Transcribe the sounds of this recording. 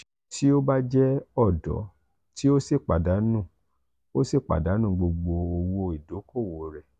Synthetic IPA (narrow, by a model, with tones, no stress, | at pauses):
ti˦o˦ba˦d͡ʒɛ˦ɔ˦˨dɔ̰˨˦ | ti˦o˦si˦˨k͡pa˨da˨˦nũ˦˨ | o˦se˦˨k͡pa̰˨da˨˦nũ˦˨ɡ͡bo˧ɡ͡bo˧o˧wo˧i˨do˨˦ko˦˨wo˨˦ɾɛ˧˨